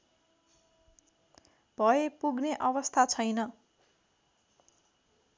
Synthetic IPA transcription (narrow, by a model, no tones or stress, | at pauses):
b̥ʱʌepuɡneʔʌβʌst̪ʰat͡sʰʌjnʌ